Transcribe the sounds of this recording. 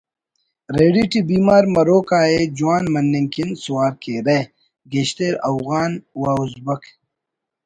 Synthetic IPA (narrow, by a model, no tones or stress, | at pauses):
ɾeːɖiʈibiːmaːɾmɐɾoːkaːed͡ʑuwaːnmɐnːeŋkinsuwaːɾkeːɾɐ | ɡeɕt̪eːɾɐwɣaːnwaːuzbɐkʰ